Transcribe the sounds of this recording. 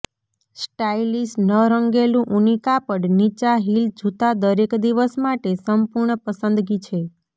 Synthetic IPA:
sʈailisʈnəɾəŋɡelũʔunikapəɽnit͡ʃaɦild͡ʒut̪ad̪əɾekd̪iʋəsmaʈesəmpuɾɳəpəsənd̪ɡit͡ʃʰe

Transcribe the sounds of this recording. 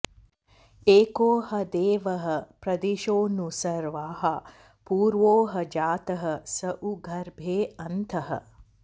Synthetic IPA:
eːkoːhɐd̪eːʋɐɦɐpɾɐd̪iʃoːnusɐɾʋaːɦɐ | puːɾʋoːɦɐd͡ʒaːt̪ɐɦɐsəʔuɡʱɐɾbʱeːɐnt̪ʰɐɦɐ̰

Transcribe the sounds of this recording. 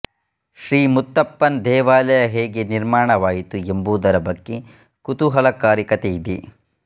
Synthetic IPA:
ʃɾiːmut̪ːɐpːɐnd̪ɛːʋaːlɐjɐɦeːɡeniɾmaːɳɐʋaːjit̪uembuːd̪ɐɾɐbɐɡːe | kut̪uɦɐlɐkaːɾjɐkɐt̪ejid̪ḭ

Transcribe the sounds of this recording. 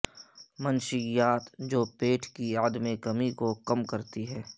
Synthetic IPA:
mənʃɪjaːt̪d͡ʒoːpeːʈʰkiaːd̪mekɐmikokɐmkɐɾt̪iɦɛː

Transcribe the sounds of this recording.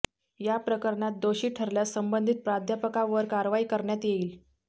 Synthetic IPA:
japɾəkəɾɳat̪̚d̪oɕiːʈʰəɾljasəmbənd̪ʱiːt̪̚pɾad̪ʱjapəkãʋəɾkaɾʋaiːkəɾɳjat̪jeiːl

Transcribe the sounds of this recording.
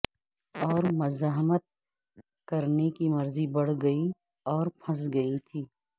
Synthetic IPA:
ɔːɾmɐzaːɦmət̪̚ | kɐɾnekimɐɾzibɐɽ̤ɡɐi | ɔːɾpʰɐs̬ɡɐit̪ʰiː

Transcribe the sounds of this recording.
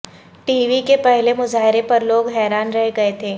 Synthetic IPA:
ʈiːʋikepɛɦlemʊzaːɦɪɾepɐɾloːɡɦɛːɾaːnɾɐɦeɡɐet̪ʰeː

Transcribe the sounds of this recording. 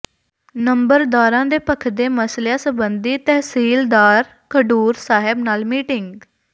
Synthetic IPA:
nəmbəɾd̪aːɾãːd̪eːpəkʰd̪eːməslãːsəbənd̪iːt̪ɛːsiːld̪aːɾ | kəɖuːɾsaːɦɪbnaːlmiːʈɪŋɡ

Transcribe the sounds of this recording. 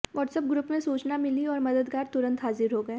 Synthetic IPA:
ʋɔːʈsəp̚ɡɾuːpmẽsuːt͡ʃnamɪliɔːɾmɐd̪əd̪ɡaːɾt̪ʊɾə̃nt̪ɦaːzɪɾɦoɡɐeː

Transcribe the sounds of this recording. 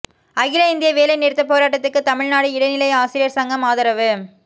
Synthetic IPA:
ɐɣɪlɐɪnd̪ɪjɐʋeːlɐɪneːɾt̪ːɯpoːɾaːʈːɐt̪ːɯkːɯt̪ɐmɪɻnaːɽɯɪɽɐɪnɪlɐɪaːsɪɾɪjɐɾsɐŋɡɐmaːðɐɾɐʋɯ

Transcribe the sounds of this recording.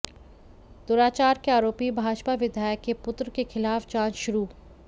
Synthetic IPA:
d̪ʊːɾaːt͡ʃaːɾkeaːɾoːpibʱaːd͡ʒpaʋɪd̪ʱaːjəkːepʊt̪ɾkexɪlaːft͡ʃãːd͡ʒʃʊɾuː

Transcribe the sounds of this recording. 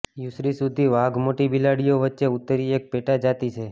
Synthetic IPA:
jusɾisud̪ʱiʋaɡmoʈibilaɽijoʋətːʃeut̪ːəɾiek̚peʈad͡ʒat̪it͡ʃʰe

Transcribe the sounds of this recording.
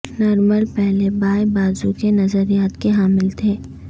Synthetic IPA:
nɔːɾməlpɛɦlebaːjbaːzukenɐzəɾijaːt̪keɦaːmɪlt̪ʰeː

